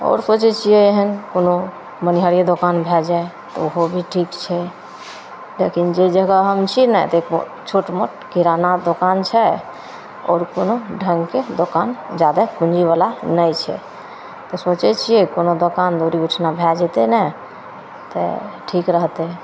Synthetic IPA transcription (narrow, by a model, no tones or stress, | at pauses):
ɔ̰ːɾsot͡ʃɛt͡ʃʰijɛeɦənkono | məniɦəɾied̪okanbʱɛld͡ʒae | t̪ɔ̰uɦobʱiʈʰikt͡ʃʰɛ | lekind͡ʒed͡ʒəɡəɦəmt͡ʃʰinɛt̪ɔek | t͡ʃʰoʈmo̰ʈkiɾanad̪okant͡ʃʰɛ | ɔ̰ːɾkonoɖʱəŋɡked̪okand͡ʒad̪apũnd͡ʒiβalanəjt͡ʃʰɛ̰ | t̪ɔsot͡ʃɛt͡ʃʰijɛkonod̪okand̪oɾiuʈʰnabʱɛd͡ʒɛt̪enɛ | t̪ɛ̰ʈʰikɾəɦt̪ɛ